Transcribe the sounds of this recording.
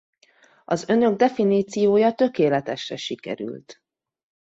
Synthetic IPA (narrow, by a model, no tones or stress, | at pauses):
ɒzø̞nø̞ɡ̚d̪ɛfiniːt̪sijoːjɒt̪ø̞keːlɛt̪ɛʃrɛʃikɛ̰ɾy̰lt̪